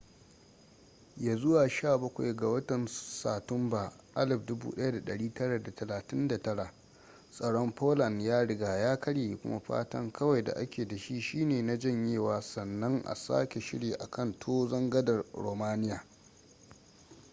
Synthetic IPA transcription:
jaː˨zʊ˦waː˨ʃaː˦˨bɐ˦kʷa̰˨jɡa˨wɐ˦tɐ˨nsaː˨tʊ˦mba˨ | ʔa˦lɪ˨ɸ̚dʊ˦bṵː˦ɗɐ˦ja˦da˨ɗɐ˨ɽiː˦tɐ˦ɽa˨da˨tʰɐ˨laː˨tɪ˦nda˨tɐ˦ɽa˨ | sʼɐ˨ɽɔ˦mpoː˦lɐ˨njaː˦ɽɪ˦ɡaː˨jaː˦kʰɐ˦ɽjeː˨i˨kʷʊ̰˦ma̰˦ɸa̰ː˦tɐ̰˦ŋkʰɐ˦wa˨jda̰˨ʔa˦kʲeː˨da˨ʃi˦ʃiː˦neː˨na˦d͡ʒɐ˦ɲjeː˦˨waː˨sɐ˨nːɐ˦ŋʔa̰˨sa̰ː˦kʲe˨ʃɪ̰˦ɽiː˨ʔa̰˨kʰɐ˦˨ntʰoː˦zɐ˦ŋɡɐ˦dɐ˨rɾo̰ː˨maː˦nɪ˦jaː˨

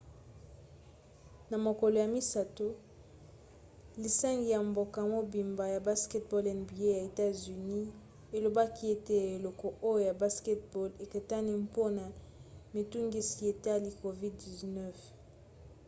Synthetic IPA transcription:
na˨mo˨ko˨lo˨ja˨mi˦sa˨to˦ | li˨sa˦ŋɡi˨ja˨mbo˨ka˨mo˦bi˨mba˨ja˨ba˦skɛ˦tbɔ˦lɛ˨nbi˨e˦ja˨e˨ta˦zy˨ni˦ | e˨lo˨ba˦ki˦e˦te˦˨e˨lɔ˨kɔ˨ʔo˦jo˦ja˨ba˦skɛ˦t̚bɔ˦le˨ke˨ta˦ni˦mpo˦na˨ | mi˨tu˦ŋɡi˦si˨e˨ta˦li˨ko˨vi˦ddi˨znɛ˦˨f

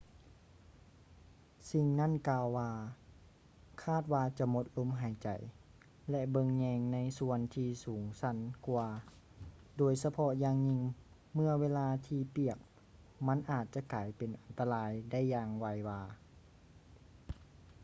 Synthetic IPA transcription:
si˧ŋna˥˨nkaː˧wːaː˧ | kʰaː˥˩t̪̚waː˧t͡ɕa˧˩˦mo˧˥t̪̚lo˧˥˨mɦa˨˩˦jt͡ɕa˨˩j | lɛ˧ʔbɤ˧ŋɲɛː˧ŋna˧˥˨jsu˧ənt̪ʰiː˧suː˨˩˦ŋsa˧˥˨nku˧ɐ | doː˨˩jsa˧pʰɔ˧jaː˧ŋɲi˧˨ŋ | mɯ˧ɐweː˧˥laː˧t̪ʰiː˧pi˧˩ək̚ | ma˧˥˨nʔaː˨˩t̪̚t͡ɕa˧˦kaː˨˩jpe˨nʔa˨˩nt̪a˧laː˧˥jda˥˩˨jːaː˧ŋwa˧jwaː˧

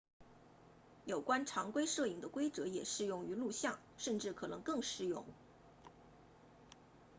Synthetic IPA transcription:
jo˨˩ʊkwa˥nʈ͡ʂʰɑ˧˥ŋkwe˥ɪʂɤ˥˩i˨˩ŋd̪ə˦kwe˥ɪt͡sɤ˧˥jɛ˨˩ʂɻ̩˥˧jʊ˥˩ŋy˧˥lu˥˧ɕjɑ˥˩ŋ | ʂə˥˧nʈ͡ʂɻ̩˥˩kʰɤ˨˩nɤ˧˥ŋkɤ˥˧ŋʂɻ̩˥˧jʊ˥˩ŋ

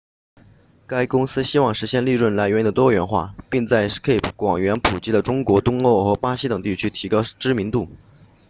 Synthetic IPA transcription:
ka˥ɪkʊ˥ŋsɹ̩˥ɕi˥wɑ˥˩ŋʂɻ̩˧˥ɕjɛ˥˧nli˥˧ɻwə˥˩nla˧˥ɪɥd̪ət̪wɔ˥˩ɥɛ˧˥nxwa̰˥˩pi˥˧ŋt͡sa˥˩ɪskʰe˥˩ɪpʰkwɑ˨˩ŋɥɛ˧˥npʰu˨˩t͡ɕi˥d̪ə˨˩ʈ͡ʂʊ˥ŋkwɔ˧˥t̪ʊ˥ŋo˥˩ʊxɤ˧˥pa˥ɕi˥t̪ɤ˨˩ŋt̪i˥˩t͡ɕʰy˥t̪ʰi˧˥kɑ˥ʊʈ͡ʂɻ̩˥mi˧˥ŋt̪u˥˩

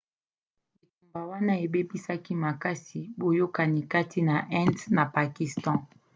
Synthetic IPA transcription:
li˨ku˨mba˨wa˦na˦e˨be˦pi˦sa˦ki˦ma˨ka˦si˨bo˨jo˦ka˨ni˨ka˦tʰi˦na˨ʔɛ̃˦ntna˨pa˨ki˨stɑ̃˦

